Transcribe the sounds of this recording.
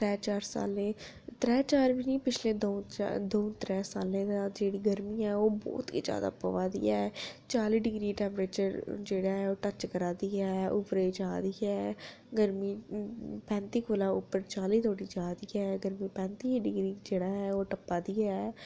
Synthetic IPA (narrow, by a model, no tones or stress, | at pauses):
t̪ɾɛːt͡ʃaːɾsa̰ːlẽː | t̪ɾɛːt͡ʃaːɾʋiːniːpɪt͡ʃleːd̪o̰ːd̪oːt̪ɾɛːsaːlẽːd̪aːd͡ʒeːɽiːɡəɾmiːɛːoːbɔ̰ːt̪ḭːd͡ʒja̰ːd̪a̰ːpə̰ʋaːd̪ḭːɛːt͡ʃaːliːɖɪɡɾiːʈɛ̃ːmpɾeːt͡ʃəɾd͡ʒeːɽaːɦɛːoːʈət͡ʃkəɾaːd̪iːɛːʊpɾeid͡ʒaːd̪iːɛː | ɡəɾmiːpɛ̃ːnt̪iːkoːlãːʊpːəɾt͡ʃaːliːt̪ʰoːɽiːd͡ʒaːd̪iːɛːɡəɾmiːpɛ̃ːnt̪iːɖɪɡɾiːd͡ʒeːɽaːɦɛːoːʈəpːaːd̪iːɛː